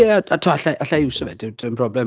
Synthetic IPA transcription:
ɛaatʰɔaɬaʔaɬaɪwsɔvɛdɪwdənpʰrɔblɛ

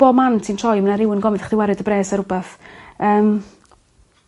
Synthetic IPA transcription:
b̥oːmantʰintʰrɔjmənaɾɪwɪnɡɔmɪðaχd̥ɪwɛɾɨdəbreːsaɾʊbaθəːm

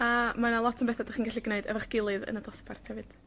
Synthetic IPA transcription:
amanalˠɔtʰənmbɛθadaχiːnɡaɬiɡneɨdɛvaχɡ̥ɪlˠɨðə̰nadɔsparθhɛvɨd̥

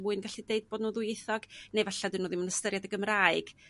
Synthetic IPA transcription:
muɨnɡaɬideɨd̚b̥oːdnuːðʊjɪθɔɡ̥nejvɛɬadɨnuːðimənəstəɾjadəɡəmraɨɡ̥

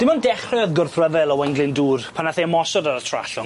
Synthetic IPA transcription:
d̥ɪmɔndɛχrɛðɡʊrθrəðɛlˠɔwɛjŋɡlɪnduːrpʰanaθeəmɔsɔdaɾətʰra̰ɬʊŋ

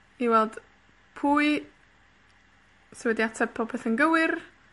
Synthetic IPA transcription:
iwɛlˠd̥ | pʰuːɨ | səwɛdjatʰəpʰɔpʰɛθənɡəwɨr

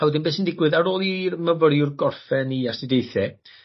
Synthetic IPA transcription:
ɛwədɪnbeːsəndɪɡwɨðaɾoːlˠirməvəɾjʊrɡɔrfɛniasdɪdejθɛ

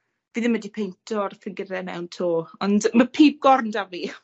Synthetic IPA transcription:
viːðəmədipʰejntʰɔrθəŋɡəɾɛnɛ̰wntʰoːɔndməpʰiːb̚ɡ̥ɔrndavi

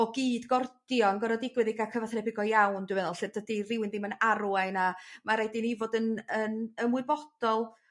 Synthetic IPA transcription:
ɔɡiːdɡɔrd̥jɔnɡɔɾɔdɪɡwɨðɪɡakʰəvaθrɛbɪɡɔjawndɪwmɛðɔlˠɬɨrd̥ədirɪwɪnðɪmənaɾuaɨnamaɾejdɪnivodənənəmʊɨbɔd̥ɔlˠ

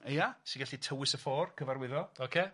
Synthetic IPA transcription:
jasiɡaɬitʰəwɪsəfoːrkʰəvarwɪðɔokʰeː

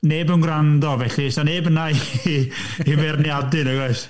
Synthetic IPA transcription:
neːbənɡrandɔvɛɬisaneːbənai | imɛrnjadɨnəɡɛɬ

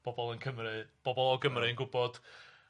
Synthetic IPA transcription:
b̥ɔbɔlˠənkʰəmɾɨb̥ɔbɔlˠɔɡəmrɨənɡʊbɔd̥

